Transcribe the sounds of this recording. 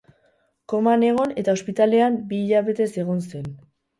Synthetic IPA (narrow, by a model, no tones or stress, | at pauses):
ko̞mane̞ɣ̞o̞ne̞t̪ao̞spit̪ale̞ambiːʎaβe̞t̪e̞se̞ɣ̞o̞nse̞n